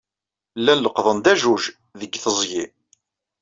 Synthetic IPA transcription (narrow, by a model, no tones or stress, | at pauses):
lːænləqðˤənd̪æʒuʒ | ðəɡːθəzˤji